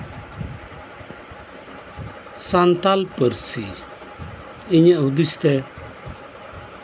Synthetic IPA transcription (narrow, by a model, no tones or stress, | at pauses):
sãnt̪alpəɾsḭ | ɪɲẽɦʊd̪ist̪ɛ